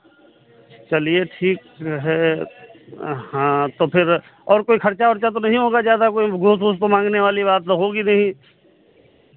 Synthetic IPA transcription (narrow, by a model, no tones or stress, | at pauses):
t͡ʃɐlieʈʰiːkɦɛ | hãːt̪opʰɪɾ | ɔːɾkoːixʰɐɾt͡ʃaɔɾt͡ʃat̪̬onɐɦĩɦoːɡad͡ʒaːd̪aɦɛkoːiɡʱʊsɡost̪omãːŋɡneʋaːliβaːt̪oɦoːɡinɐɦĩ